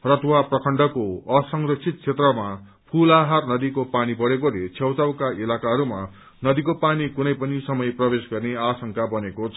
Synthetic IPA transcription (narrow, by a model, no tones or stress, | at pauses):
rʌt̪ʰwaprʌkʰʌɳɖʌkoʌsʌŋrʌksʰit̪̚kʰet̪rʌma | pʰulaɦarnʌd̪ikopanibʌɽekolet͡sʰewt͡sawkaʔilakaɦʌɾuma | nʌd̪ikopanikunʌjpʌnisʌmʌjprʌbesɡʌrneasʌŋkabʌnekot͡sʰʌ